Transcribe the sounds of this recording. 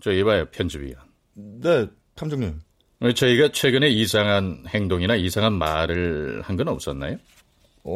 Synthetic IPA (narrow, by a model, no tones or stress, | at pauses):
t͡ɕʌebajopʰjʌnd͡ʑibḭa | ne̞ | tʰamd͡ʑoŋɲim | ɯt͡ɕʌiɡat͡ɕʰwe̞ɡɯne̞isʰaŋɦanhe̞ŋdoŋinaisʰaŋɦanmaɾɯɭhanɡɯnʌp̚s͈ʌnːa̰jo